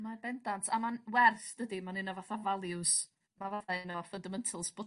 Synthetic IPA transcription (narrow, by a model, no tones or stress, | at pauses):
mabɛndantʰamanwɛrθd̥ədimanɪnavaθavalˠjʊs | mavaθaɪnɔfəndamɛntʰəlˠsbɔ